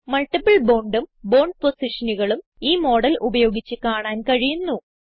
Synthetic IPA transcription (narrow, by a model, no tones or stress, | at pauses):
mɐɭʈibɐɭboːɳɖumbo̞ːɳɖ̚posiʂɐnuɣɐɭum | iːmo̞ːɽɐlubɐjo̞ːɡit͡ɕːɨkaːɳaːnkɐɻijunːu